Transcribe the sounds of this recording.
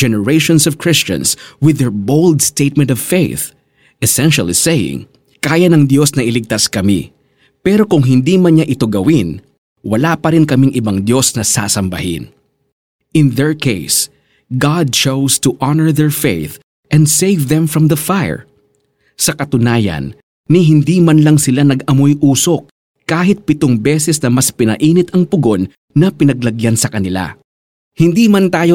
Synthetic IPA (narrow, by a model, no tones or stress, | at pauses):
d͡ʒɛnɛɹejʃõnsɔvkɹɪst͡ʃɐ̰̃nswɪðɛɹbowld̪st̪et̪̚mɛ̃nt̪ɔv̥feɪθ | ʔɛsɛnʃɐlˠḭsejɪ̰̃ŋ | kaːjɐnɐŋd̪jo̞snɐʔɪlɪɡ̚t̪askɐmḭ | pɛɾo̞kʊŋɦɪnd̪imɐɲɲaʔɪt̪oɡɐwɪn | wɐlapɐɾɪnkɐmiŋʔɪbaŋd̪jo̞snɐsa̰sɐmbɐ̰hɪ̰n | ʔɪ̃nðɛɹkeɪs | ɡad̪̚t͡ʃowst̪ʊʔɑnɛɹðɛɹfejθ | ʔɛ̃nd̪sejvðɛ̃mfɹɐmðɐfajə̰ɹ | sɐkɐt̪ʊnaːjɐ̰nː | ɪɦɪnd̪iːmɐnlɐŋsɪlanɐɡʔɐmojʔuːsok̚ | kaːɦɪt̪̚pɪt̪oŋbɛːsɛsnɐmɐspɪnɐ̰ʔiːnɪt̪ɐŋpʊɡo̞nː | ɐpɪnɐɡlɐɡjansɐkɐnɪla̰ | hɪnd̪imɐnt̪aːjo